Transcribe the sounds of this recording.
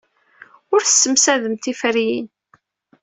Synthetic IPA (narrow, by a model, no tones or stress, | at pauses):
ʊɾθə̥sːəmsæðəmt̪ifəɾjḭn